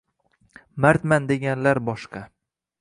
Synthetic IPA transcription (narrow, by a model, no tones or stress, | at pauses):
maɾt̪mand̪eɡʲanlaɾbɒʃqɑ